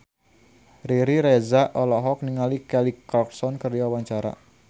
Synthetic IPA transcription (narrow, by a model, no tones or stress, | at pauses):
riɾiɾɛzaʔɔlɔɦɔk̚niŋalikɛlikɔk̚sɔnkərd͡ʒawaɲt͡ʃaɾa̰